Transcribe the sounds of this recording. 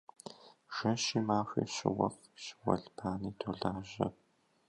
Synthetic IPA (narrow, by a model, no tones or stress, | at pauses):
ʒ̥ɐʃiːmaːɕʷḭːɕɪ̰wɐ̰f | ɕwɐ̰ɮpʰaːniːtʰoːɮaːʒɐ